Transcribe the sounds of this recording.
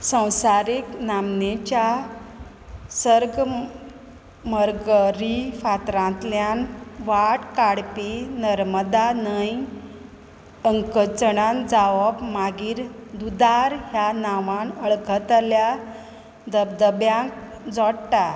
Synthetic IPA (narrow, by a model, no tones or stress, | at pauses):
sə̃w̃saɾiknamnet͡ɕa | səɾɡ | məɾɡəɾifat̪ɾãnt̪ljanʋaʈkaɽpinəɾməd̪anəj | əŋkət͡səɽ̃and͡zaʋəbmaɡiːɾd̪ud̪aɾɦjanaʋãnəɭkʰət̪lja | d̪əd̪əbjãk̚ | d͡zɔɽʈa